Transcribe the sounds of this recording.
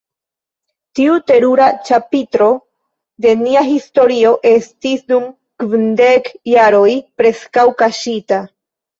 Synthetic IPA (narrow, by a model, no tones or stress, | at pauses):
tiute̞ɾuɾat͡ʃapit̪ɾo̞ | d̪e̞niaɦisto̞ɾio̞ʔe̞stisdum | kvindekjaɾo̞jpɾe̞skawkaʃita